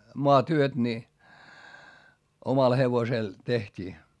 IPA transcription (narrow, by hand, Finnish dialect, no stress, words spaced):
moɑtyøt ni omɑl heʋosel tehtʲiː